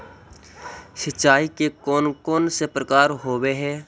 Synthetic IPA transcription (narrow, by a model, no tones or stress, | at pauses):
sətːʃaːikekoːnkoːnsepɾəkaːɾɦoːweɦɛː